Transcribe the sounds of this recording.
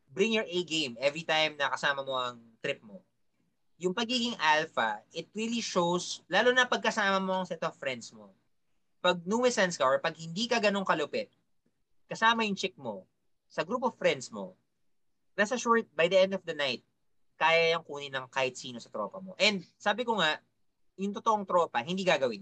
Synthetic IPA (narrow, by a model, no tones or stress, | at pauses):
bɾɪŋjɔɹʔejɡẽjmɛvɹit̪ajmnɐkɐsaːmɐmo̞ɐŋt̪ɾɪp̚mo | jʊŋpɐɡiːɡɪŋʔalfɐ̰ʔɪt̪̚ɾiːliʃowslaːlonɐpɐɡ̚kɐsaːmɐmo̞ɐŋsɛt̪offɾɛnd̪smo | pɐɡ̚numɛsɐnskɐʔɔɹpɐɡ̚hɪnd̪iːkɐɡɐno̞ŋkɐlʊpɛt̪̚ | kɐsaːmɐjʊŋt͡ʃɛk̚mo̞̰ | sɐɡɾuːp̬ovfɹɛnd̪smo̞̰ | nɐsɐʃʊɹt̪̚bajd̪ɐʔɛnd̪ɔvd̪ɐnajt̪̚ | kaːjɐjɐŋkuːnɪnɐŋkaːhɪt̪̚siːnosɐt̪ɾo̰ːpɐmo̞ʔɛnd̪saːbɪkoŋaʔ | jʊŋt̪ot̪oʔoŋt̪ɾo̞ːpɐɦɪnd̪iɡaɡɐwɪn